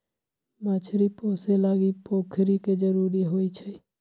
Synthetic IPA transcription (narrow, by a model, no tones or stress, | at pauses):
mat͡ʃʰɾiposelaɡipokʰɾiked͡ʒəɾuɾiɦojt͡ʃʰɛ